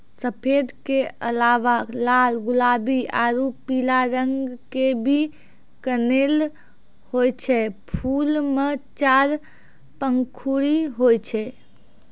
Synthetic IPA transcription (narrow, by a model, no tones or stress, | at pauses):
səpʰed̪keʔəlaʋalalɡʊlabiʔaɾupilaɾəŋɡɡkebʱi | kənel | hojt͡ʃʰɛpʰulmet͡ʃaɾ | pəŋkʰuɾiɦojt͡ʃʰɛ